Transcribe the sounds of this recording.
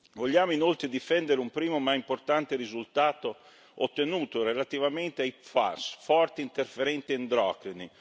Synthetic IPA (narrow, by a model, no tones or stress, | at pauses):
voʎːaːmoinolt̪ɾed̪ifɛnd̪eɾeumpɾiːmomaimport̪ant̪eɾizult̪aːt̪o | ot̪ːenuːt̪oɾelat̪ivament̪eajfa̰sfɔrt̪iint̪erfeɾɛnt̪iend̪ɾɔːkɾini